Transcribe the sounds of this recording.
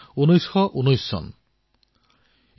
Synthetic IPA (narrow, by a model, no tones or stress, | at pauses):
unojsxɔʔunojsːɔ̰n